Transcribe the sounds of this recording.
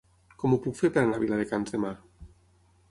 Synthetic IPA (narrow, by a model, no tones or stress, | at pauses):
kɔmupukfeɾpeɾanaβilaðekanzðemaɾ